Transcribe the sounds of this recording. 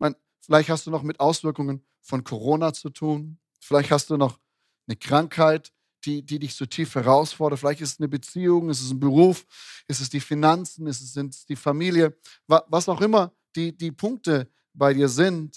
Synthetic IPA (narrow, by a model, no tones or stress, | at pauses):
maɪn | fɪlaɪçthastd̥uːnɔχmɪtʔaʊsv̥ɪɐkʊŋən | fɔnkʰoʁoːnat͡sutʰuːn | fɪlaɪçthast̚d̥uːnɔχ | nəkʁ̥aŋkhaɪt | d̥iːdiːdɪçt͡sutʰiːfhɛʁ̞aʊsfɔɐdɐtfɪlaɪçtɪstɛsnəbət͡siːʊŋɛstɛs̬n̩bəʁuːf | ʔɪstɛs̬d̥iːfinant͡sn̩ɛstɛs̬zɪntsd̥iːfamiːljə | vavasaʊxʔɪmɐ | d̥iːdiːpʰʊŋk̚tə | b̥aɪɾiːɐzɪnt